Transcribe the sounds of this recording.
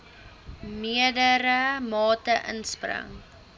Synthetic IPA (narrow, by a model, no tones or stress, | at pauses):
miədəɾəmɑːtəʔə̰nsprə̰ŋ